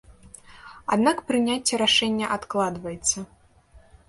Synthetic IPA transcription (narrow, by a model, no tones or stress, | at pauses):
ad̪nakpɾɨnʲat͡sʲːɛɾaʂɛnʲːɐʔat̪klˠad̪vɐjɛt̪sːɐ